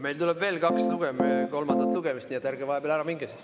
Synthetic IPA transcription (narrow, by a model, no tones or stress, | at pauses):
me̞jlt̪ulɛb̥ve̞ːlkɑksluɡ̥emko̞lmɑnd̪̥ɑt̪luɡ̥emist̪niːet̪ːˑjærɡ̥evɑhebeːlæɾɑmiŋɡ̥esi̥